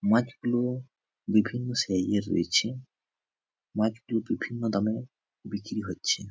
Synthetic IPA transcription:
mãt͡ʃɡulo | bibʱinːɔseajeɾːo̰jt͡ɕʰi | mãt͡ʃɡulobibʱinːɔd̪ame | bikɾiɦotːt͡ɕʰi

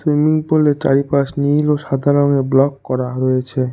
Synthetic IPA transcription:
swimiŋpolet͡ɕa̰ɾipaʃniloʃad̪ʱaɾoneblɔkːɔɾaɾojet͡ɕʰe

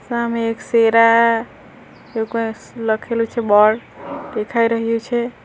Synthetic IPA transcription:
sameekseɾa | joɡe | ləkʰelut͡ʃʰɛbɔɽɖekʰajɾəɦijut͡ʃʰɛ

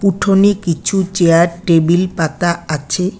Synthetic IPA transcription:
kuʈʰonekit͡ɕʰut͡ɕeaɾʈebilpat̪aat͡ɕʰe

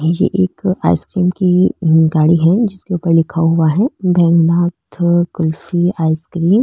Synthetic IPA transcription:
jḛʔeːka̰ːɪskɾiːmkiɡaːɽiɦɛd͡ʒɪskeuːpəɾlɪkʰaɦʊaɦɛbʱɛːnbaːt̪ʰkʊlfiaːɪskɾiːm

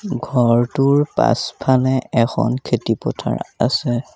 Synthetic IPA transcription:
ɡʱɔɹtʊɹpa̰spʰalɛɛxʰɔnkʰetipɔtʰa̰ɹasɛ

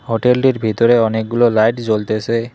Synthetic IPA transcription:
hoʈelʈiɾbʱit̪ɔɾeɔnek̚ɡulɔlajʈd͡ʒolt̪ese

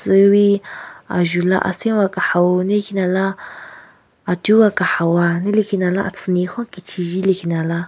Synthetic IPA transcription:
t͡səwia̰ʒula̰ʔa̰sĩwakaħawunekinala | tuwakaħawanilikinalaʔat͡sʰɨnixɔ̃kitʰiʒilikinala

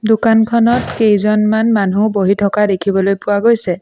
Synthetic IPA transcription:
dʊkankʰɔnɔtkejzɔnmanmanuboɦitʰɔkadekʰibɔlojpʊwaɡojsɛ

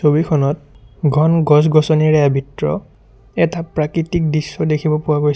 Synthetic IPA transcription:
sobikʰɔnɔt̚ɡʱɔnɡɔs̬ɡɔsɔniɹɛjabitɹɔ̰ | ɛtapɹakɹitik̚disːɔdekʰibɔpʊwaɡojs

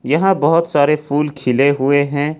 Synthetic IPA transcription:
jɐɦãbɐɦʊt̪saːɾefʰuːlkʰɪleɦʊeɦɛ̃ː

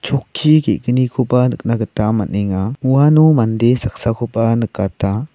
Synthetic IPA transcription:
t͡ʃʰɔkʰːikeʔɡənikʰopanək̚naɡətamaneŋauanɔmandesak̚sakʰopanəkata

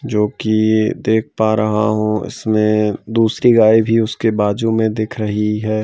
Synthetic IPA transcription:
d͡ʒoːkid̪eːk̚ʰpaɾɐɦa̰ɦũɪ̰smẽd̪uːsɾiɡaːibʱiʊskebaːd͡ʒumẽd̪ɪkʰɾɐɦiɦɛː

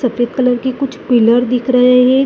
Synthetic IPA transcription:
sɐfəd̪̚kələɾkikʊt͡ʃʰpɪləɾd̪ɪkʰɾəɦeɦɛ

